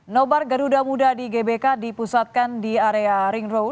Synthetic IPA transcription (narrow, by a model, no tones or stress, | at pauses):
nobarɡəɾudamudadiɡebekadipusat̪̚kandiaɾeaɾiŋɾow